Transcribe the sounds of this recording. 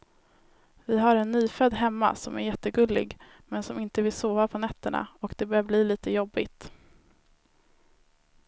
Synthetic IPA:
vɪɦaɾɛnːyːfœd̪ːɦɛmːa̰sɔmæɾjɛt̪ːəɡɵlːɪ̰ɡ | mɛnsɔmɪnt̪əvɪlsoːvapʰɔnɛt̪ːəɳa̰ɔkd̪ɛbœːbliːliːt̪əjɔbːɪt̪

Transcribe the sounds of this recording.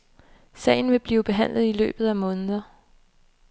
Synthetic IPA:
sɛ̰ːɪn̩ʋe̝b̥liːʊb̥e̝ɦæn̰lð̞ˠilø̰ːb̥ð̞̩ˠæmɔ̽ːnəðˠɐ

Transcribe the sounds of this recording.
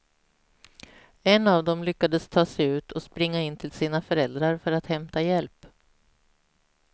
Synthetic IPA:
ɛnːavd̪ɔmlʏkːad̪əst̪ʰɑːsɛjʉ̟ːt̪ʰɔspɾɪŋːaɪnt̪ʰɪlsiːnafœɾɛld̪ɾaɾfœɾat̪hɛmt̪ajɛlp

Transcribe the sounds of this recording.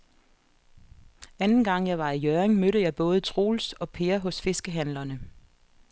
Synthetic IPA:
ænn̩ɡ̥ɑ̈ŋ̰jɑ̈ɪʋɑ̈ijøʁeŋmøɾəjɑ̈ɪb̥ɔ̽ːð̞ˠət͡sʰʁo̝̰ːlsɒ̽pʰe̝ːɐɦɔ̽sfe̝sɡ̥əɦænlɐnə

